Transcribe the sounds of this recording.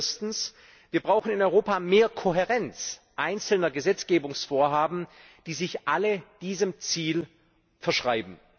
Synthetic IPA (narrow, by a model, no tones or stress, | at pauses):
stn̩s | viːɐbʁaʊxn̩ɪnɔʏʁoːpameːɐkʰoɦeʁɛnt͡sʔaɪnt͡sl̩nɐɡəzɛt͡sɡ̥eːbʊŋsfoːɐɦaːbm̩ | d̥iːzɪçʔaləd̥iːzəmt͡siːl | fɛɐʃʁ̥aɪbm̩